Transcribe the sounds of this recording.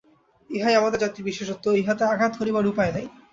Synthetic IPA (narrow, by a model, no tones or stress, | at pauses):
iɦajamad̪ad͡ʑat̪iɾbiʃeʃot̪ːoiɦat̪eaɡʱat̪koɾibaɾupajed̪aj